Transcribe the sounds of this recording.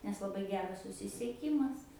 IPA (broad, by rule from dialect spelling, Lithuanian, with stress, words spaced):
nʲɛs lˠɐˈbɐɪ ˈɡʲæːrɐs sʊsʲɪsʲiɛˈkʲiːmɐs